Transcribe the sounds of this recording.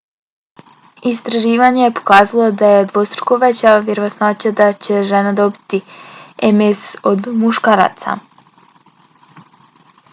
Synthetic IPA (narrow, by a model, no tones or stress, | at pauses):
ist̪ɾaʒiːʋaɲejepo̥kaːzalˠo̞d̪ajed̪ʋo̞st̪ɾo̥koʋet͡ɕaʋjeɾoʋat̪noat͡ɕad̪at͡ɕe̞ʒenad̪o̞bit̪iemesod̪muʃkaːɾa̰ːt̪sa̰